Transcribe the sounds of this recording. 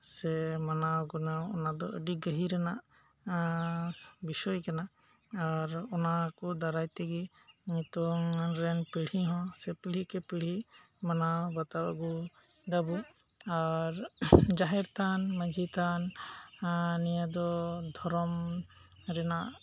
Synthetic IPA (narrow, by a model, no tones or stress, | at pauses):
sɛmanawɡɔnawɔnad̪ɔəɖiɡəɦiɾɛnaʔ | bisɔjkana | aɾɔnakɔd̪aɾajt̪ɛɡiɲit̪ɔŋnɾɛnpiɽ̤iɦɔ̃sɛpiɽ̤ikɛpiɽ̤i | manawbat̪awa̰ɡu | d̪abu | aɾd͡ʒaɦɛɾt̪anməd͡ʒʱit̪an | nijad̪ɔd̪ʱɔɾɔm | ɾɛnaʔ